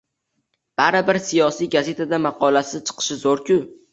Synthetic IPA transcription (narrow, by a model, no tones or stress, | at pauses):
b̥aɾɪbɪɾsijɒsijɡaze̞t̪ʰad̪amɑqʰɒlasɪt͡ʃʰɨ̥qʰɨ̥ʃɪzoɾkʲʰʊ